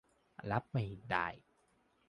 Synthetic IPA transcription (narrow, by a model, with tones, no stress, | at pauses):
la˦˥p̚ma˨˩jda̰ː˧˩j